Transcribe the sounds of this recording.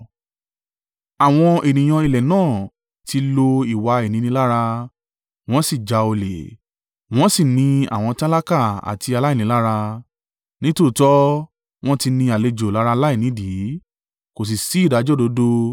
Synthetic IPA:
a˨w̃ɔ̃˧e˨nĩ˨j̃ã˧i˧˨lɛ˨nãː˦˨ | ti˧lo˧i˨wa˧e˨nĩ˨˧nĩ˧˦la˦ɾa˧ | w̃ɔ̃˦si˦˨d͡ʒa˧o˧le˨ | w̃ɔ̃˦si˦˨nĩ˧a̰˨w̃ɔ̃˧ta˦la˦ka˦˨a̰˨ti˧a˧la˦i˦˨ĩ˨˦la˦ɾa˧ | nĩ˦to˦˨tɔ˦ | w̃ɔ̃˦ti˧nĩ˧a˨le˧d͡ʒo˨la˨˦ɾa˧la˦i˦˨nĩ˨˦di˨˦ | ko˨s̬i˨si˨˦i˦˨da˨˦d͡ʒɔ˦˨do˨˦do˧

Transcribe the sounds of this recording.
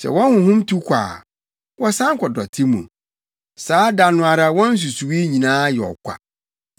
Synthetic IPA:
sɛ̰˨wɔ̃˦nhʊ̃˨ɦʊ̃˦mtʰu˦kʷʰa̰ː˨ | wɔ˦sã˦ŋ˦kʰɔ˨dɔ˨tʰɪ˦mṵ̃˨ | saː˨˦da˨nʊ̃˨a˨ɾa˦wɔ̃˦n̩˦s̬u˨su˨wi˦ɲĩ˨nãː˦jɛ˨ɔ̰˨kʷʰa̰˨

